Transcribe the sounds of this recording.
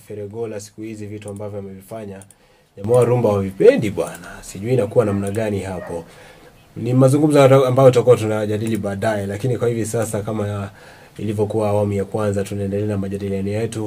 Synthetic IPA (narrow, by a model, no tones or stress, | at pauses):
fɛɾɛɡɔlasi̥kuhizivituambavjɔamɛvifaɲa | ʄamaaɾumbawavipɛndiɓwanasiʄuinakuwanam̩naɠaniɦapɔ | nimazuŋɡum̩zɔambajɔutakuatunaʄaɗiliɓaːɗajɛlakinikwahivisasakama | ilivjɔkuaːwamujakwanzatunaɛndɛlɛanamaʄaɗilianijɛtu